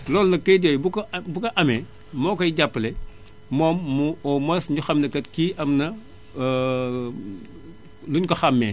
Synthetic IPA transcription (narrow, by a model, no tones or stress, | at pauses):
lɔːlnɐkɐjdɔːjbukɐbukɐʔɐmɛ | mɔːkɔjɟapːlɛ | mɔːmːuɔmɐsɲuxɐmnɐkɐtkiːʔɐmnɐ | luɲkɔxɐmːɛː